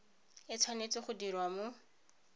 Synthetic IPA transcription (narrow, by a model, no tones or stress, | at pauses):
ɪt͡sʰwanet͡sɪχʊdirwamʊ